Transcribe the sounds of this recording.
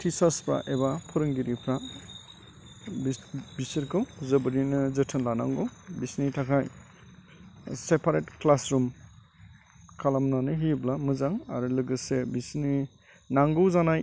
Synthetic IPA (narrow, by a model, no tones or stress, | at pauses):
tʰisaspɾa̰ʔebapʰɯɾɯŋɡiɾipʰɾa | bbisɯɾkʰɯwzɯbɯɾinɯzɯtʰɯnlana̰ŋɡɔwbisnitʰakʰaj | sepʰaɾetklasɾum | kʰalamnanɯɦiblamɯzaŋa̰ɾulɯɡɯsebisni | naŋɡɯwzanaj